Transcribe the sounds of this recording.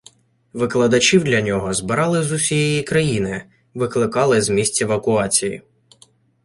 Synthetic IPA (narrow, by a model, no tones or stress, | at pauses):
ʋɪklˠɐd̪ɐt͡ʃʲiwd̪lʲɐnʲɔɦɔzbɪɾɑlˠɪzʊsʲijɛjikɾɐjinɪ | ʋɪklˠɪkɑlˠɪzmʲisʲt͡sʲɛʋɐkʊɑt͡sʲijḭ